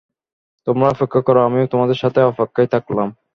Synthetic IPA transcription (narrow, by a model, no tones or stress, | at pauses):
t̪omɾaɔpekːakɔɾoamiot̪omad̪eɾʃat̪ʰeɔfakːajt̪ʰaklam